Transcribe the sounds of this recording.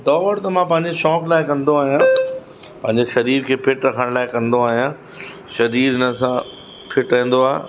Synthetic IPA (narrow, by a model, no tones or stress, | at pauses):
d̪ɔːʋəɽt̪ɐmãpɐ̃ɦɪ̃ɲd͡ʑeʃɔːklaːɪkɐ̃nd̪oaːɦijãː | pɐ̃ɦɪ̃ɲd͡ʑeʃɐɾiːɾkʰeːpʰɪʈɾɐkʰəɽ̃laːɪkɐ̃nd̪oaːɦijã | ʃɐɾiːɾɪnəsã | pʰɪʈɾɐɦĩːn̆d̪oaːɦḛ